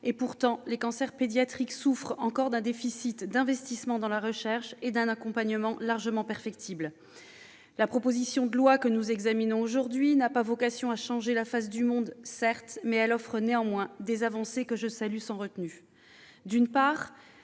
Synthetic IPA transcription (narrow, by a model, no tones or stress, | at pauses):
epuʁt̪ɑ̃lekɑ̃sɛʁped̪jat̪χiksufχɑ̃kɔʁd̪ɛ̃d̪efisit̪d̪ɛ̃vɛst̪ismɑ̃d̪ɑ̃laʁəʃɛʁʃed̪ɛ̃nakɔ̃paɲəmɑ̃laʁʒəmɑ̃pɛʁfɛkt̪ʰibl | lapχɔpozisjɔ̃d̪əlwakənuzɛɡzaminɔ̃oʒuʁd̪ɥinapavɔkasjɔ̃aʃɑ̃ʒelafas̬d̪ymɔ̃d̪sɛʁt̪mɛɛlɔfχəneɑ̃mwɛ̃d̪ezavɑ̃sekəʒəsalysɑ̃ʁət̪ny | d̪ynpaːʁ